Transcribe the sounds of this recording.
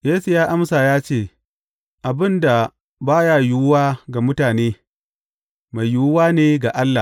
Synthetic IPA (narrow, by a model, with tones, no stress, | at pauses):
jeː˦su˨jaː˦ʔa˦msa˨jaː˦t͡ʃeː˦˨ | ʔa˨bɪ˦nda˨ | baː˦ja˦˨jʊ˦wwaː˦ɡa˨mʊ˦taː˨neː˦ | ma˨jju˦waː˦neː˦ɡa˨ʔa˦lːa˨